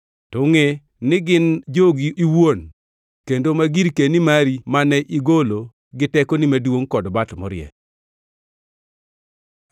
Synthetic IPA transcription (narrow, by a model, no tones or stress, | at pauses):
tʊŋe | nɪɡɪnd͡ʒoɡiiwon | kendomaɡiɾkenimaɾimanɛʔiɡolo | ɡɪtɛkonɪmadwoŋkɔdbatmɔ̰ɾɪjɛ̰